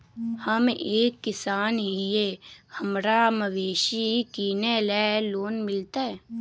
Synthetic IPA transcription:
həmeːkːɪsaːnɦijehəmɾaməʋeːʃikiːnelɛːloːnmɪlt̪aɦɛː

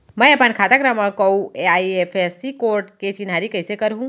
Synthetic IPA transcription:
mɛ̃apankʰaːt̪akɾamakɐũeaiefesikoːɾʈket͡ʃinaɾikəjsekəɾɦũ

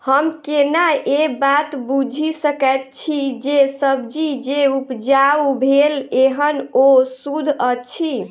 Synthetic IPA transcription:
həmkenaʔebat̪bud͡ʒʱisəkət̪̚t͡ʃʰid͡ʒesəb̚d͡ʒid͡ʒeupd͡ʒaubʱeleɦənosud̪ʱət͡ʃʰi

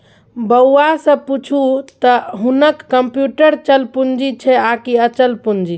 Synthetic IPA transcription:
bəasə̃put͡ʃʰut̪ɔɦunəkːəmpjuʈəɾt͡ʃəlpund͡ʒit͡ʃʰɛakiət͡ʃəlpund͡ʒi

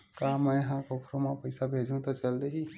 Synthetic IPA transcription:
kaːmɛ̃jɦãkokʰɾomapəjsabʱeːd͡ʒʱũt̪ɔt͡ʃɐld̪eɦi

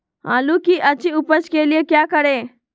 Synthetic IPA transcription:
ɦã̰ːlukiʔət͡ʃiʊpət͡ʃkelijekjaːkəɽe

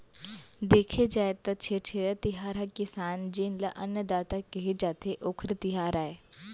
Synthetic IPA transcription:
d̪eːkʰed͡ʒaːet̪ɐt͡ʃʰet͡ʃʰeɾət̪ɪɦaːɾakɪsaːnd͡ʒɪnləʔɐnjəd̪aːt̪akeɦed͡ʒaːt̪ʰeʔʊkʰɾt̪ɪɦaːɾaːe

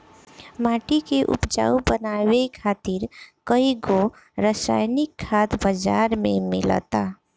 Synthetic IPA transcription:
maːʈikeʔʊ̰pd͡ʒa̰ːubənaːwekʰaːt̪ɪɾkəiɡo | ɾəsa̰ːjnɪkʰːaːt̪bəd͡ʒaːɾmẽmɪ̰lə̰t̪aː

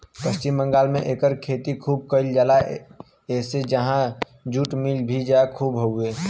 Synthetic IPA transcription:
pəst͡ʃɪmbə̃ŋɡaːlmẽʔeːkəɾkʰeːt̪ikʰuːb̚kəɪld͡ʒaːla | eːsed͡ʒəɦã | d͡ʒuːʈmilbʱid͡ʒakʰuːbɦoueː

